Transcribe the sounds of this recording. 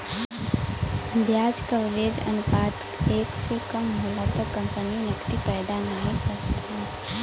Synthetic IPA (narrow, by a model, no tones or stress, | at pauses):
bjad͡ʒkəʋled͡ʒə̰npat̪keksekəmɦolat̪əɾkə̃mpəninɪkt̪ipəjd̪anaikəɾt̪ɦɛ̃